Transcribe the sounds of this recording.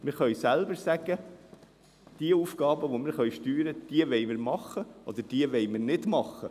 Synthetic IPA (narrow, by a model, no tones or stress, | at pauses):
mɪɾχœɥsælbəɾsæɡ̥ə | d̪̥iəuːfɡ̥ɑːbəʋomɪɾχœʏʃtyːɾəd̪̥iəʋɛɪmɪɾmɑχːəʔɔd̪əɾd̥iəʋɛɪmɪɾnɪdmɑχːə